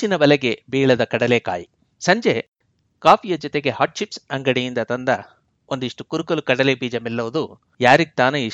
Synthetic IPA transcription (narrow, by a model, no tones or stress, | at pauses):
t͡ʃinɐbɐlɛɡe̞biːɭɐd̪ɐkɐɽɐleːka̰ːji | sɐɲd͡ʒe̞ | kaːpʰijɐd͡ʒɔt̪eɡe̞haːʈʃipsɐŋɡɐɽijind̪ɐt̪ɐnd̪ɐ | ond̪uiʂʈukuɾukɐlukɐɽɐlebiːd͡ʒɐmɛlːɐʋɐd̪u | jaːɾiɡt̪aːnui